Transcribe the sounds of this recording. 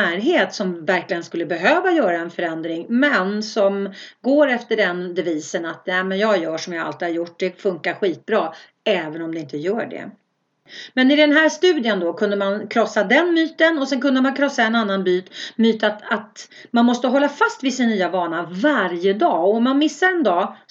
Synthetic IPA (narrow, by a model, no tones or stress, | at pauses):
æːɾɦeːt̪sɔmvæɾklɪɡənskɵlːəbɛɦøːvajœːɾaɛnfœɾɛnd̪ɾɪŋmɛnsɔmɡoːɾɛft̪əɖɛnd̪ɛviːsənat̪nɛmɛnjɑːjœːʂɔmjɑːa̰lt̪ɪhaɾjʊʈ̚ːd̪ɛfɵŋkaɾɧiːt̪̚bɾɑː | ɛːvənɔmd̪ɛɪnt̪əjœːɖɛ̰ | mɛnɪd̪ɛnɦæːɾʂt̪ʉ̟ːd̪ɪənd̪ɔkʰɵnd̪əmankʰɾɔsːad̪ɛnmyːt̪ənɔsɛnkɵnd̪əmankʰɾɔsːaɛnanːanbyːt̪myːt̪at̪at̪ | manmɔst̪əɦɔlːafast̪vɪsɪnnːyːavɑːɳavaɾjəd̪ɑːɔɔmːanmɪsːaɾɛnd̪ɑː